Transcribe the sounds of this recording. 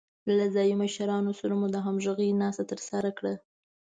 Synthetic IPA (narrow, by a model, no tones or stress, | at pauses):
lazɑjimaʃaɾɑnosaɾamud̪əɦamʒəɣənɑst̪at̪əɾsaɾakɽə